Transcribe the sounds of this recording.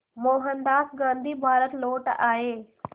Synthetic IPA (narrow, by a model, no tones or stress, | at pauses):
moːɦənd̪aːsɡãːnd̪ʱiːbʱaːɾət̪loːʈaːɦeː